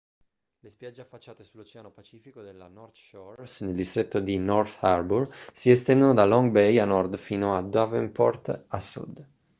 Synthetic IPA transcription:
lespjad͡ʒːeafːat͡ʃːaːt̪esulːot͡ʃɛanopat͡ʃiːfikod̪elːanɔrt̪ʃɔsneld̪ist̪ɾet̪ːod̪inɔrt̪aɾbursiɛst̪ɛnd̪onod̪alɔŋɡbɛjanːɔrd̪fiːnoad̪avɛnpɔ̰rt̪asːṵd̪

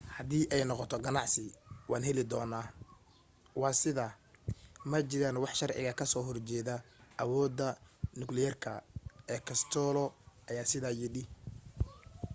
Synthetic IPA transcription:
hɐðiːʔɛjnɔqɔt̪ʰɔɡɐnɑʕsɪwɑːnɦɛlɪd̪ɔːnaː | wɑːsɪðaː | mɐt͡ʃɪɾaːnwɑħʃɐrʕɪ̰ɣɐkʰɐsɔːɦɔrt͡ʃɛːðaʔɐwɔːd̪ːɐnʊɡlɪjɐrkʰɐɛːkʰɐst̪ʰɔːlɔʔɐjaːsɪðaːjɪɖɪ

